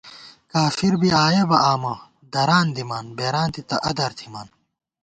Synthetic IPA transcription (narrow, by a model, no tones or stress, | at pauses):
kaːfiɾbiaːjebɐʔaːmɐ | d̪ɐɾaːnd̪imaːnbeːɾaːnt̪it̪ɐʔɐd̪ɐɾt̪ʰimaːn